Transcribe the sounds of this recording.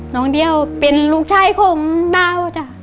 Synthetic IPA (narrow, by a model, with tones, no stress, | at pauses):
nɔː˨˦ŋdi˧əwpe˧nluː˧˥˩k̚t͡ɕʰaː˧˥˩jkʰoː˨˦ŋdaː˧˥˩wa˧˩t͡ɕa˧˩